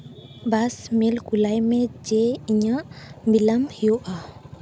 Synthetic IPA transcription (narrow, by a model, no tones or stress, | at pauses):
basmelɡulajmɛ̃d͡ʒɛiɲaʔbilamhijoʔa